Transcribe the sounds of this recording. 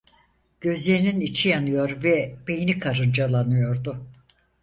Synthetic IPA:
ɟ̥ø̞zlʲe̞ɾininit͡ʃʰijanɯjo̞ɾvɛb̥e̞jinikʰaɾɯnd͡ʒalˠanɯjo̞ɾd̪ʊ

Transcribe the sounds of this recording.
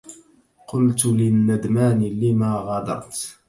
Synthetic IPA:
qʊlt̪lɪnːad̪maːnɪlɪmaːɣɑd̪ɑ̰ɾˤt̪

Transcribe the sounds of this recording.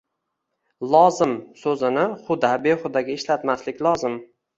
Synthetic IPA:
lˠɒzɪmsɵzɪnɪχʊd̪abeχʊd̪aɡʲaɪʃlat̪maslɪkʲlˠɒzɪm

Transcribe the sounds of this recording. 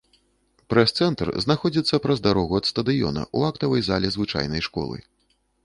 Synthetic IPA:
pɾɐst̪sɛnt̪rznaxɔd͡zʲit̪sːɐpɾɐzd̪aɾɔɣuɐt̪st̪ɐd̪ɨjɔ̰nɐ̰ʔuakt̪ɐvɐjza̰lʲɛzvɨt͡ʂa̰jnɐjʂkɔ̰lˠɨ̰

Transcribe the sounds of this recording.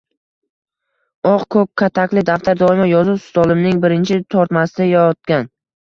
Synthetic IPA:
ɒqkʰɵk̚ʲkʰat̪ʰakʲlɪd̪aft̪ʰaɾd̪ɒɪmajɒzʊwsʊ̥t̪ɒlɪmnɪŋbɪɾɪnt͡ʃʰɪt̪ʰɒɾt̪masɪd̪ajɒt̪̚kʲan

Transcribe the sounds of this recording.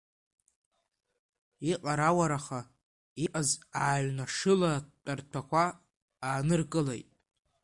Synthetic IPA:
iqʼaɾawaɾaχa | iqʼazaːɥnaʂɨlatʼartʷʰakʷaː | nɨrkʼɨlḛjtʼ

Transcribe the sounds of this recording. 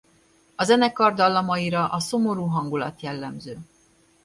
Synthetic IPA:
ɒzɛnɛkːɒrd̪ɒlːɒmɒiɾɒʔɒso̞mo̞ɾuːɦɒŋɡulɒ̰t̪jɛlːɛmzøː

